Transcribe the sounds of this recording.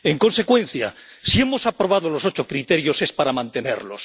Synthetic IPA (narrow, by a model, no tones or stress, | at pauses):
e̞ŋko̞nse̞kwẽ̞n̟θja̰ | sie̞mo̞sapɾo̞β̞aðo̞lo̞so̞t͡ʃo̞kɾit̪e̞ɾjo̞se̞spaɾamãnt̪e̞ne̞̰ɾlo̞̰s